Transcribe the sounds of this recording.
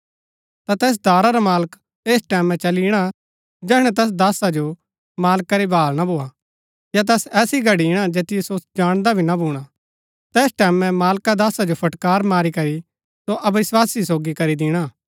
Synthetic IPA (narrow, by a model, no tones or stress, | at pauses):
t̪at̪ɛːs̬d̪ʱaːɾaɾamaːlək | eːsʈɛːmɛ̃t͡ʃɐliɽ̃a | d͡ʒɛːɽ̃ɛ̃t̪ɛːs̬d̪aːsad͡ʒo | maːlkaɾebʱaːlnabʱoːa | jat̪̬ɛːsɛːsiɡʱɐɽiɪɽ̃ad͡ʒeːt̪ɪjesod͡ʒaːɽ̃d̪abʱinabʱuːɽ̃a | t̪ɛːsʈɛːmɛ̃maːlkad̪aːsad͡ʒopʰɐʈkaːɾmaːɾikɐɾi | soʔɐbʋɪswaːsisoːɡikɐɾid̪ɪɽ̃a